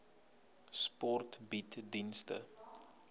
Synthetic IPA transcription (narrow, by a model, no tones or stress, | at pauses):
spɔrtbitdinstə̰